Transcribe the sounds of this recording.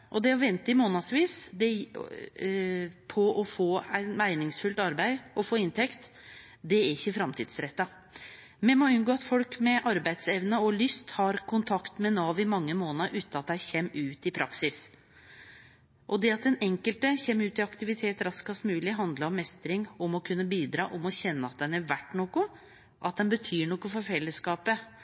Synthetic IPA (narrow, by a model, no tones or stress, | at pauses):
ʔɔd̪ɛɔʋɛnt̪əɪmoːnɑsʋiːsd̪ɛ | pʰɔɔfoːæɪt̪mæɪnɪŋsfʉlt̪ɑɾbæɪɔfoːɪnt̪ʰɛkt̪ | d̪ɛæɾɪçːəfɾɑmt̪ʰḭːd̪sɾɛt̪ːɑ | mɛmɔʉnɡoːɑt̪fɔlkmɛʔɑɾbæɪd̪sɛʋnəɔlʏst̪hɑɾkʰʊnt̪ʰɑkt̪mɛnɑːʋɪmɑŋːəmoːnəɾʔʉːt̪nɑt̪̚d̪æɪçɛmːʉːt̪ɪpʰɾʔɑksɪs | ʔɔd̪ɛɑt̪̚d̪ɛnɛŋkəlt̪əçɛmːʉːt̪ɪɑkt̪ɪʋɪt̪ʰeːt̪ɾɑskɑst̪mʉːlɪɦɑnd̪ləɾɔmːɛst̪ɾɪŋɔmɔkʰʉnːəbiːd̪ɾɑ̰ːʔɔmɔçɛnːəɑt̪̚d̪ɛnæɾʋæʈːnoːkʊ | ʔɑt̪̚d̪ɛnbət̪ʰyːɳɔkːʊfɔɾfɛlːəskɑːpə